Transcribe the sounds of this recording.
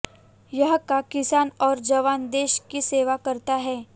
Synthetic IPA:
jɐɦkakɪsaːnɔːɾd͡ʒɐʋaːnd̪eːʃkiseːʋakɐɾt̪aɦɛː

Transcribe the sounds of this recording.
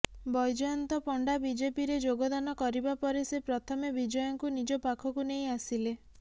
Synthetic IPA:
bɔjd͡ʒɔjɔnt̪ɔpɔɳɖabid͡ʒepiɾed͡ʒoɡɔd̪anɔkɔɾibapɔɾesepɾɔt̪ʰɔmebid͡ʒɔjɔŋkunid͡ʒɔpakʰɔkunej̃asile

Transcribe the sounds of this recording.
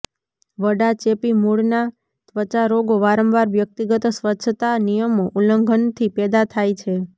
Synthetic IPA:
ʋəɖat͡ʃepimuɽna | t̪ʋət͡ʃaɾoɡoʋaɾəmʋaɾʋjək̚t̪iɡət̪sʋətːt͡ʃʰət̪anijəmoʔuləŋɡʱənt̪ʰipɛd̪at̪ʰajt͡ʃʰe

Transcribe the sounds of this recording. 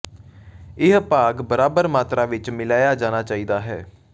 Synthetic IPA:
ɪɦpaːɡbəɾaːbəɾmaːt̪ɾaːʋɪt͡ʃmɪlaːjaːd͡ʒaːñaːt͡ʃaːiːd̪aːɦɛ̰ː

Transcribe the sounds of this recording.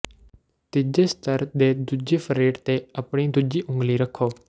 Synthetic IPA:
t̪ɪd͡ʒeːst̪əɾd̪eːd̪ud͡ʒeːpʰəɾeːʈt̪eːəpɽ̃iːd̪ud͡ʒiːʔʊ̃ŋɡliːɾəkʰːoː

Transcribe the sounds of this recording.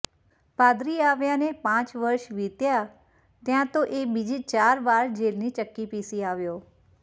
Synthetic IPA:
paːd̪ɾiaːʋjanepãt͡ʃʋəɾʃʋit̪ja | t̪jãt̪oʔebid͡ʒit͡ʃaːɾʋaːɾd͡ʒelnit͡ʃəkːipisiaːʋjoː

